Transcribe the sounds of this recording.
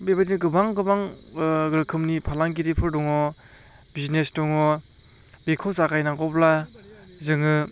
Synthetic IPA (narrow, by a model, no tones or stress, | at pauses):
bebadinɯɡɯbaŋɡɯbaŋɡɯɾɯkʰɯmnipʰalaŋɡiɾipʰɯɾdɔŋɔ | biznesdɔŋɔ | bikʰɔsakajnaɡɔpla | zɯŋɯ